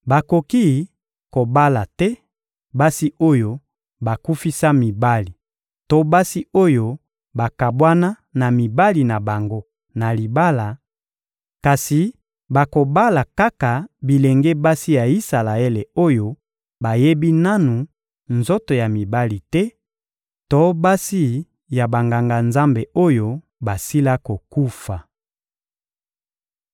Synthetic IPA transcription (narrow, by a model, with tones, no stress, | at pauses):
ba˨ko˨ki˦ | ko˨ba˦la˨tɛ˦ | ba˦si˦o˦jo˦ | ba˨ku˦fi˦sa˦mi˨ba˦li˨ | to˦ba˦si˦o˦jo˦ | ba˨ka˨bwa˦na˦ | na˨mi˨ba˦li˨na˨ba˨ŋɡo˦ | na˨li˨ba˦la˨ | ka˨si˨ | ba˨ko˨ba˦la˨ka˦ka˨bi˨le˨ŋɡe˦ba˦si˦ja˨i˦sa˨la˨ɛ˦le˨o˦jo˦ | ba˨je˦bi˦na˦nu˨ | nzo˦to˨ja˨mi˨ba˦li˨tɛ˦ | tɔ˦ba˦si˦ | ja˨ba˨ŋɡa˨ŋɡa˨nza˦mbe˨o˦jo˦ | ba˨si˦la˦ko˨ku˦fa˨